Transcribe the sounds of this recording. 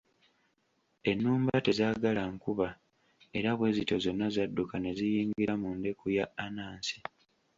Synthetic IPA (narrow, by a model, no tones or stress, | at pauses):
e̞nːuːmbate̞zaːɡalaŋkuβa | e̞ɾaβwe̞ːzito̞zo̞nːazadːukane̞zijiːŋɡiɾamunde̞kujaːnaːnsi̥